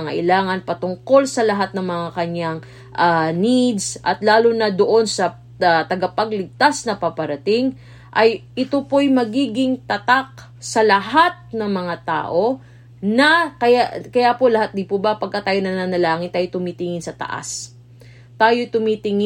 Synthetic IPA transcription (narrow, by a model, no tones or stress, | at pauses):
ŋɐ̰ʔɪlaːŋɐnpɐt̪ʊŋko̞lsɐlɐɦat̪̚nɐŋmɐŋakɐɲaŋ | ʔanid̪sʔɐt̪laːlonɐd̪oʔo̞nsɐ | t̪ɐɡɐpɐɡlɪɡ̚t̪asnɐpapɐɾɐt̪ɪŋ | ʔɐjʔɪt̪opojmɐɡiːɡɪŋt̪ɐt̪ak̚ | sɐlɐɦat̪̚nɐŋmɐŋat̪a̰ːʔo̞ | nɐkɐjakɐjapo̞lɐhat̪̚d̪ɪpobɐpɐɡ̚kːat̪ːaːjonɐnanɐlaːŋɪnt̪aːjot̪ʊmit̪ɪŋɪnsɐt̪ɐ̰ʔa̰s | t̪aːjojt̪ʊmit̪ɪŋɪ